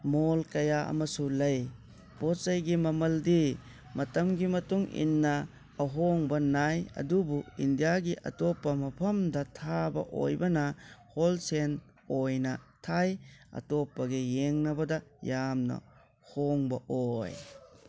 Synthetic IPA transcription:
molkɐjaɐ̰mɐsulɐj | b̥otsɐjɡimɐmɐldi | mɐtɐmɡimɐtuŋḭnːɐː | ɦoŋbɐnajɐ̰dubuindijaɡiʔɐ̰tɔpːɐmɐpʰɐmdɐtʰabɐ̰ʔo̰jbɐnɐholsen | ojnɐtʰajɐ̰topːɐɡejeŋnɐbɐdɐjamnɐ̰ | hoŋbɐʔoj

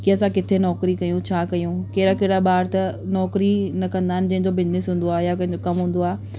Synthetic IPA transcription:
kiɐsãkɪt̪ʰenɔːkɾikɐjũt͡ɕʰaːkɐjũkeːɪɾakeːɽabaːɾt̪ɐnɔːkɾinɐkɐ̃nd̪aːɦɪ̃nɪ̆d͡ʑɐɦɪ̃ɲd͡ʑobɪd͡ʑnɪsɦũːn̆d̪oaːjakɐ̃ɦɪ̃ɲd͡ʑokɐmɦũːn̆d̪oaː

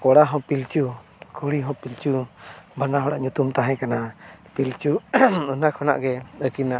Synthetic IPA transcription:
kɔɽaɦɔ̃pilt͡ʃu | kʰuɽiɦɔ̃pilt͡ʃubanaɦɔɽaʔɲut̪umt̪aɦɛ̃kanapilt͡ʃuunakʰɔna̰ʔɡɛəkina

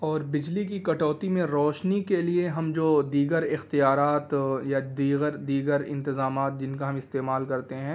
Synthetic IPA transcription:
ɔːɾbɪd͡ʒlikikɐʈɔːt̪imẽɾɔːʃnikelieɦɐmd͡ʒoːd̪iːɡəɾɪxt̪ijaːɾaːt̪jad̪iːɡəɾd̪iːɡəɾɪ̰̃nt̪ɪzaːmaːt̪̚d͡ʒɪnkaɦɐ̃mɪst̪eːmaːlkɐɾt̪eɦɛ̃ː

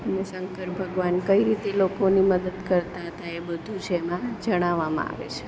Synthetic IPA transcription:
ənesəŋkəɾbʱəɡʋankəiɾit̪elokoniməd̪əd̪kəɾt̪at̪ʰaebəd̪ʱut͡ʃʰeemãd͡ʒəɽ̃aʋamã̰a̰ʋḛt͡ʃʰe̥

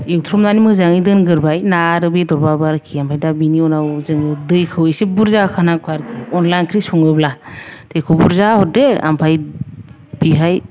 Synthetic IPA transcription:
ewtʰɾɔmnanimɯzaŋidɯnɡɯɾbajnaɾɯbedɔɾbabaɾkʰiampʰajdabiniɔnawzɯŋɯdɯjkʰɯwesebuɾzakʰanakʰaɾkʰiɔnlajnkʰɾisuŋɯblatʰekʰɔbuɾzahɔt̚dea̰mpʰaj | biɦaj

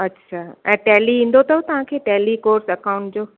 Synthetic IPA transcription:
ɐtːɕʰaɛ̃ːʈɛːliĩːn̆d̪ot̪ɐot̪ɐʋ̤ãkʰeːʈɛːlikoːɾsɐkãʊ̃ɳʈd͡ʑoː

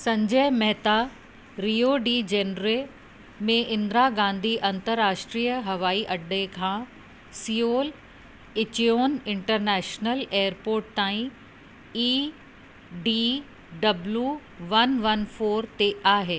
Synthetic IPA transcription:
sɐ̃ɲd͡ʑəɦmɛɦt̪a | ɾiːoɖid͡ʑeːnɾe | mẽʔɪ̃nd̪ɾaɡãːnd̪ʱiʔɐ̃nt̪əɾːaːʃʈɾijəɦɐʋaːiʔɐɖekʰãː | sijoːl | ɪt͡ɕijoːnɪ̃ɳʈəɾnɛːʃnəleːəɾpoːɾʈ̚t̪aːĩ | iː | ɖiː | ɖɐblju | ʋɐnʋɐnfʰoːɾt̪eʔaːɦeː

